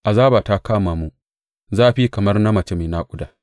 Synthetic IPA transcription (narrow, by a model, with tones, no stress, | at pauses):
ʔa˨zaː˦baː˨ta˦kaː˦maː˨mu˦ | zaː˦˨ɸi˦kɐ˨mɐ˦rna˦mɐ˨t͡ʃe˦meː˨na˦kʷʼʊ˦daː˨